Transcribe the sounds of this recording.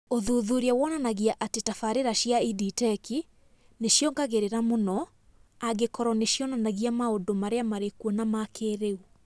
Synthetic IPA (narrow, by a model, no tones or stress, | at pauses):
oðuðuɾiawɔnanaɣiaʔatetafaɾeɾaɕiaiditɛki | neɕjɔŋɡaɣeɾeɾamonɔ | aɡekɔɾɔneɕjɔnanaɣiamaondomaɾeamaɾekuɔnamakʰeɾeu